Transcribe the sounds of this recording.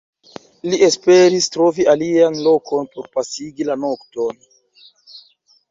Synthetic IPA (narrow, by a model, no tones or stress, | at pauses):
liʔe̞spe̞ɾistɾo̞vialianlo̞kʰo̞npo̞ɾpasiɡilano̞kto̞n